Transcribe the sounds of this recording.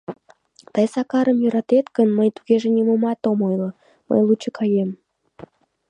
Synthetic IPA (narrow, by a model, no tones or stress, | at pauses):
t̪ɑjsɑkɑɾəmjøɾɑt̪et̪kənməjt̪uɣeʒĕnʲemomɑt̪omojlo | mə̰jlˠut͡ɕːəkʰɑjem